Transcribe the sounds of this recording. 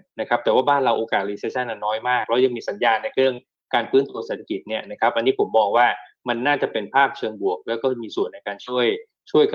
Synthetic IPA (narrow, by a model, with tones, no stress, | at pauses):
na˦˥kʰa˦˥p̚t̪ɛː˨˩waː˥˩baː˥˩nɾa˧wʔoː˧kaː˨˩t̪̚liː˧seː˦˥t͡ɕʰa˥˩nːʔa˧˩nːɔː˦˥jmaː˥˩k̚lɛː˦˥ja˧ŋmiː˧sa˩˦njaː˧nːa˧jkʰɾɯ˥˩əŋ | kaː˧nfɯː˦˥nt̪u˧ɐseː˨˩t̪ʰa˧ki˨˩t̪̚ni˥˩ɐna˦˥kʰa˦˥p̚ʔa˧nːiː˦˥pʰo˩˦mːɔː˧ŋwaː˥˩ | ma˧nːaː˥˩t͡ɕa˨˩pe˧npʰaː˥˩p̚t͡ɕʰɤː˧ŋbu˨˩ək̚lɛː˦˥wkɔː˥˩miː˧su˨˩ənːa˧jkaː˧nt͡ɕʰu˥˩əj | t͡ɕʰu˥˩əjk